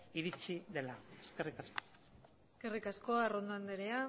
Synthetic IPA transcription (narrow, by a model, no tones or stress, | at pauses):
iɾit͡siðe̞laeske̞rikasko | eske̞rikasko̞aero̞nd̪oand̪eɾea